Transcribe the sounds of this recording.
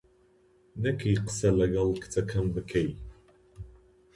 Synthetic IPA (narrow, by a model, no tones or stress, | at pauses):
nɐkʰjqə̥sɐlɐɣɐlkʰt͡sʼɐkʰɐmvɨkʰɐj